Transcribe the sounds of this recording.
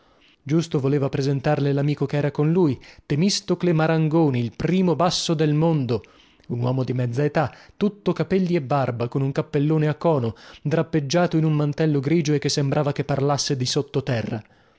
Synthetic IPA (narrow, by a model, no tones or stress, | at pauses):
d͡ʒust̪ovoleːvapɾezent̪arlelamiːkokeɛːɾakonlujt̪emist̪oklemaɾaŋɡoːniːlpɾiːmobasːod̪elmond̪o | unwɔːmod̪imɛd̪zaet̪at̪ːut̪ːokapɛlːiebːarbakonuŋkapːelːoːneakːɔːnod̪ɾapːed͡ʒːaːt̪oinummant̪ɛlːoɡɾiːd͡ʒoekːesːembɾʔaːvakepːarlasːed̪isot̪ːot̪ɛrːa̰